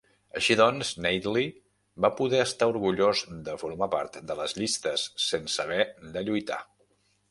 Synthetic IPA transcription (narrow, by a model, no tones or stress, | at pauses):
əʃiðɔnznɛjd̪li | bapuðɛəst̪auɾɣuʎozd̪əfuɾmapa̰ɾt̪d̪ələzʎist̪əsːensəβ̞ɛd̪əʎujt̪a̰